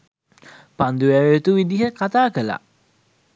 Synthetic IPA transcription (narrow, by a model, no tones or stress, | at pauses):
pand̪uʋæʋet̪uʋid̪iɦəkat̪aːkəla̰